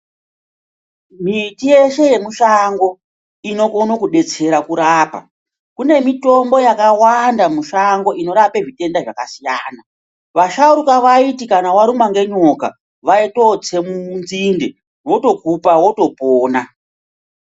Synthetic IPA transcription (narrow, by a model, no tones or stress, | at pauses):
mitije̞ʃe̞je̞muʃaŋɡo̞ | ino̞konokuɗe̞t͡se̞ɾakuɾaːpa̰ | kune̞mito̞mbo̞jakawandamuʃaŋɡo̞ʔino̞ɾape̞ʐite̞ndaʐakasijaːna | ʋaʃauɾukaʋaitikanawaɾumaŋɡe̞ɲo̞ka̰ | ʋaito̞t͡se̞munzinde | wo̞to̞kupawo̞to̞poːna